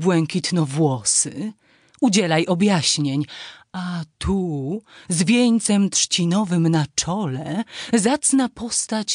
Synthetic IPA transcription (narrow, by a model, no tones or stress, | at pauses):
bwɛŋkʲit̪nɔvwɔsɘ | ud͡ʑɛlajʔɔbʲjaɕɲeɲat̪ʰu | zvʲjeɲt̪sɛmt̪ʂt͡ɕinɔvɘmnat͡ʂɔlɛzat̪snapɔst̪at͡ɕ